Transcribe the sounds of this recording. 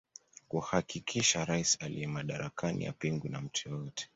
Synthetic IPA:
kuhakikʰiʃaɾaisalḭɛmaɗaɾakʰanʔḭja̰piŋɡunam̩tʰujɔjɔtʰɛ̥

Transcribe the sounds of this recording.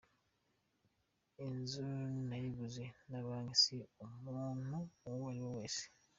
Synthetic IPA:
enzunajiβuzenaβaːŋisiomuːnuwalioweːsi̥

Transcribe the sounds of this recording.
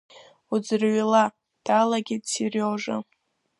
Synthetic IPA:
ud͡zɨrɥila | d̥alaɡʲɪdt͡sʰiroʐɨ̰

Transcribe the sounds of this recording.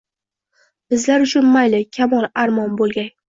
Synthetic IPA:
b̥ɪzlaɾʊt͡ʃʰʊnmajlɪkʲʰamɒlˠaɾmɒnbolˠɡʲaj

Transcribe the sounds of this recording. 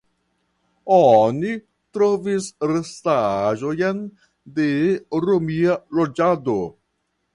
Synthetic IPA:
oni | t̪ɾovisɾestaʒojen | deɾomialod͡ʒado

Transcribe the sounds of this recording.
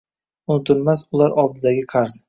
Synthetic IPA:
ʊnɪt̪ʰɪlmasʊlaɾɒlˠd̪ɪd̪aɡʲɪqʰɑɾz̥

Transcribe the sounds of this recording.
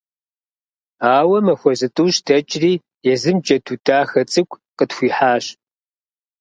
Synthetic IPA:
aːwɐmɐxʷɔzɨtʼuːɕdʰɐt͡ʃʼriː | jɛzɨmd͡ʒʼɐtʰuːdʰaːxɐt͡sʼɨkʷʰʼ | qətxʷiːħaːɕ

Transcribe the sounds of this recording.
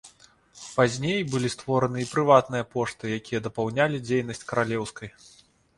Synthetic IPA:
pazʲnʲejbɨlʲist̪vɔɾɐnɨipɾɨvat̪nɨjɐpɔʂt̪ɨjakʲijɐd̪ɐpawnʲalʲid͡zʲejn̪ɐsʲt͡sʲkɐɾalʲɛwskɐj

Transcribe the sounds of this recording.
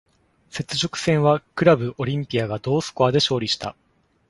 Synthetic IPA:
se̞t͡sɨʑokɯ̟̥sẽ̞ɰ̃βakɯ̟ɾabɯ̟ʔo̞ɾʲĩmpʲiaɡad̪o̞ːsɨ̥koad̪e̞ɕo̞ːɾʲiɕi̥t̪a̰

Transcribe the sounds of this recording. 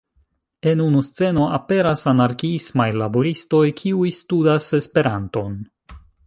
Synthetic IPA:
e̞nunust͡se̞noʔape̞ɾasanaɾkiismajlaboɾisto̞jkʰiujstudase̞spe̞ɾanto̞n

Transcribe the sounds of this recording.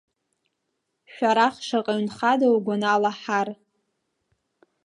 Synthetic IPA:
ʃᶣʷaɾaχʂaqʼaɥnχadawɡʷanaːlaħar

